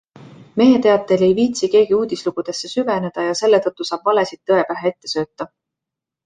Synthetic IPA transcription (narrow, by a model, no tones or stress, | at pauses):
me̞jet̪e̞ɑt̪ːˑe̞le̞jviːt̪sike̞ːɡ̥iuːd̪̥isluɡ̥ud̪̥e̞sːe̞syve̞ne̞d̪̥ɑjɑse̞lːe̞t̪ɤt̪ːusɑːb̥vɑle̞sid̪̥̚ːɤe̞pæɦee̞t̪ːe̞sø̞ːt̪ːˑɑ